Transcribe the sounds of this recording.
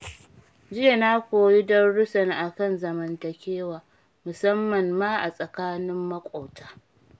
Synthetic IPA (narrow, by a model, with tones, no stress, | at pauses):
d͡ʒɪ˦je˨na˦kʷoː˨ji˦dɐ˦nɽʊ˦sɐ˨ŋʔa˨kɐ˦˨nzɐ˨mɐ˨ntɐ˨kʲeː˦waː˨ | mʊ˨sɐ˦mːɐ˨mːaː˦ʔa˨sʼɐ˨kaː˦nɪ˦mːɐ˦kʷʼoː˨taː˦